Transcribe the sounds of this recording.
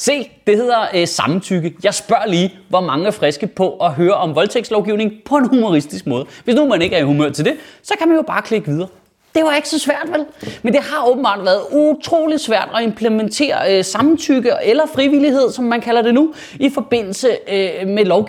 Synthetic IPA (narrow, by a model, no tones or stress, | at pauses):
se̝̰ːd̥e̝he̝ð̞̰ˠɐsɑ̈mn̩t͡sʰyɡ̥əjɑ̈ɪsb̥ɶɐ̰liːʋɒmɑ̈ŋəæɐfʁɛsɡ̥əpʰɒ̽ʔɒ̽ɦøːɐʔɒ̽mʋɒ̽lt͡sʰeɡ̥sd̥lɒʊɡ̥iʊne̝ŋpʰɒ̽e̝nhumo̝ʁisd̥isɡ̥̚mɔ̽ːð̩ˠʋe̝snumæne̝ɡ̥æɐihumøɐ̰t͡sʰe̝ld̥e̝sɒ̽kʰæmænjo̝b̥ɑ̈ːkʰle̝ɡ̥ʋið̞ˠɐː | d̥e̝ʋɑ̈e̝ɡ̥sɒ̽sʋæɐ̰d̥ʋelmend̥e̝ɦɑ̈ɔːb̥m̩b̥ɑ̈ːd̥ʋæɐð̩ˠut͡sʰʁo̝̰ːlid̥sʋæɐ̰d̥ɒ̽e̝mpʰlement͡sʰe̝̰ːɐsɑ̈mn̩t͡sʰyɡ̥əelɐfʁiʋiliɦe̝ð̞̰ˠsɒ̽mːænkʰælɐd̥e̝nu | ifɒ̽b̥e̝n̰l̩səmelɒʊɡ